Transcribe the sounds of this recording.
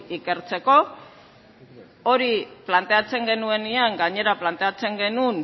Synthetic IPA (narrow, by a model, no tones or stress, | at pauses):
ike̞ɾt͡se̞ko̞ | oɾiplant̪e̞at͡se̞ŋɡe̞nue̞niaŋɡaɲe̞ɾaplant̪e̞at͡se̞ŋɡe̞nun